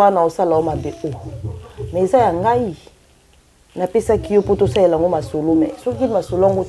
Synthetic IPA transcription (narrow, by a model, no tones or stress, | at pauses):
anaosalaomabeʔo | mɛezajaŋɡai | napesakijopotosalelŋɡomasolomɛ̰sɔkimasolaŋɡo